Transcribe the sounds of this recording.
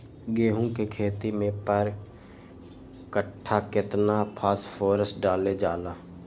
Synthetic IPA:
ɡeːɦũkekʰeːt̪imẽpəɾ | kəʈʰːakɪt̪napʰaːspʰoːɾəsʈɖaːled͡ʒaːlaː

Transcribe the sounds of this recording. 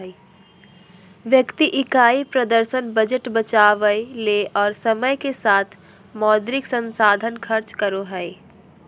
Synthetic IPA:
ʋjəkt̪iʔɪkaːipɾəd̪əɾʃənbəd͡ʒəʈbət͡ʃaːʋəjleʔɔːɾsəməjkesaːt̪ʰ | mɔːd̪ɾɪksə̃nsaːd̪ʱənkʰəɾt͡ʃkəɾoɦəe

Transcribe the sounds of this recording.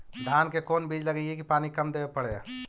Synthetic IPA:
d̪ʱaːnkekoːnbiːd͡ʒləɡəekipaːnikəmd̪eːʋepəɽe

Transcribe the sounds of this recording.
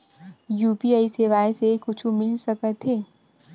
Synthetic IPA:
juːpiaːiseːʋaːesekʊt͡ʃʰumɪlsɐkət̪ɦeː

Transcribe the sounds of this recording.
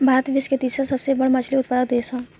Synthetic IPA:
bʱaːɾət̪ʋɪsket̪iːsɾasɐbsebɐɽmɐt͡ʃʰliʊt̪̚pəɾəkd̪eːsã

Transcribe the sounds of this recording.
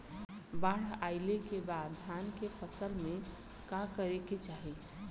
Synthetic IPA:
baɽ̤aɪlekebaːd̪ʱankepʰəsəlmẽ | kakəɾeket͡ʃaːɦe

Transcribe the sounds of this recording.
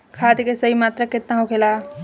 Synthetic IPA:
kʰaːd̪kesəɦimaːt̪ɾəket̪nãɦũkʰela

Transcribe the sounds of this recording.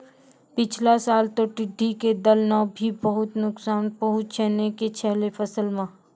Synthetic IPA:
pɪt͡ʃʰlasaːlt̪oʈɪɖʱːiked̪əlnabʱibəɦʊt̪nʊksaːnbəɦʊt̪̚t͡ʃʰɛːneket͡ʃʰɛɦlefɐsəlmã

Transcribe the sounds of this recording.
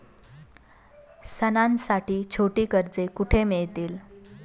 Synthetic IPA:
sənãnsaʈiːt͡ɕʰoʈiːkəɾd͡zekuʈʰemeɭt̪iːl

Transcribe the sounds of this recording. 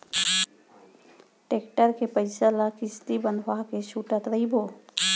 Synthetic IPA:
ʈekʈəɾkepəɪsəlakist̪ibənʋakeʃuʈət̪ɾəibo

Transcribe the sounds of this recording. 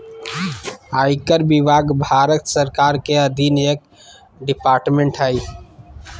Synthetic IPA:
aːjkəɾbibaːɡbʱaɾət̪səɾkaːɾkeəd̪ʱinəjək̚ | ɖipaːɾʈmẽɳʈɦaj

